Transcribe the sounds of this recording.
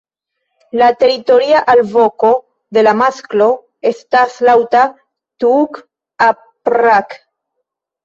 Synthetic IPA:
lat̪e̞ɾit̪o̞ɾiaʔalvo̞ko̞ | d̪e̞lamasklo̞ | est̪aslawt̪a | t̪uk | a | pɾak

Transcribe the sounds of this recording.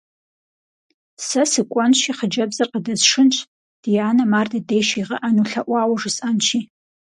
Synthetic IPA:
sasɨkʷʼanʃiχəd͡ʒabzarqʼadɨzʂɨnt͡ʃʷʰ | d̥jaːnamardɨdejʃaiʁaʔanuɬaʔʷaːwaʐɨsʼant͡ʃʰi

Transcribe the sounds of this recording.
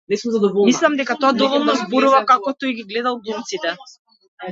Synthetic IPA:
nɛsumzad̪ɔvɔlˠmislˠamd̪ɛkat̪ɔad̪ɔvɔlˠnɔzbɔɾuvakakɔt̪ɔjɡiɡlɛd̪alˠɡlˠumt̪sit̪ɛ

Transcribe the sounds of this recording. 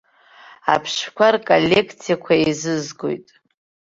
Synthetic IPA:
a̰pʰʂkʷʰarkʼolʲːe̞kʰt͡sʰijakʷʰaizɨzɡo̰jtʼ

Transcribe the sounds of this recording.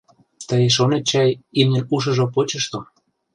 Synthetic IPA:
t̪əjeʃ̬onet̪̚t͡ɕɑjimnʲenuʃ̬ɤ̆ʒopot͡ɕə̆ʃt̪o

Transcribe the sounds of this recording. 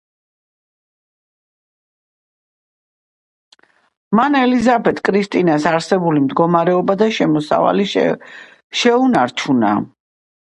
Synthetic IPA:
manɛlizapʰɛt̪ʰkʼɾist̪ʼinasaɾsɛbulimd̪ɡɔmaɾɛɔbad̪aʃɛmɔsa̰va̰li | ʃɛunaɾt͡ʃʰuna̰

